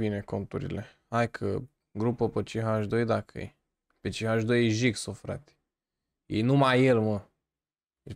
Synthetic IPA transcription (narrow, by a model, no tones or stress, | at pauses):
ineko̞nt̪uɾḭle̞ | ajkʰə̰ | ɡɾupəpət͡ʃiɦaʒd̪ojd̪akʰə̰j | pet͡ʃiɦaʒd̪ojeʒiksofɾa̰t̪ | jḛjnumajelmə